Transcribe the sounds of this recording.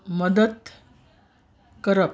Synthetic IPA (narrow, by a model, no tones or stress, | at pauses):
məd̪ət̪ | kəɾəp